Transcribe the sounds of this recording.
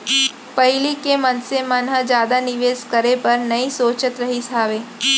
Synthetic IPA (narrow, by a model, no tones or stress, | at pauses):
pɐɦɪlikemɐnsemɐnɦəd͡ʒjaːd̪anɪʋeːskɐɾepɐɾnɐisoːt͡ʃət̪ɾɐɦisaːʋeː